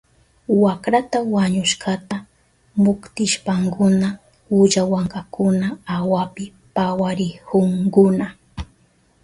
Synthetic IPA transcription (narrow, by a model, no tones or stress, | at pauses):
wakɾat̪awaɲʊʃɢat̪a | mʊkt̪ɪʃpaŋkʊna | ʊʎawaŋkakʊnaawapɪ | pawaɾɪhoŋkʊna